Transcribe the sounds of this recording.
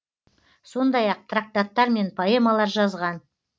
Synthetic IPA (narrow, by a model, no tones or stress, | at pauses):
so̞nd̪ɑjɑq̚t̪ʰrak̚t̪at̪ːɑɾme̞npʰoe̞malˠɑɾʒɑzʁɑn